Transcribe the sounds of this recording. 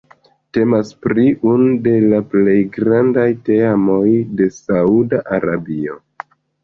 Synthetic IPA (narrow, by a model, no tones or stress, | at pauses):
te̞maspɾiʔunude̞laple̞jɡɾandajte̞amo̞jde̞saudaʔaɾabio̞̰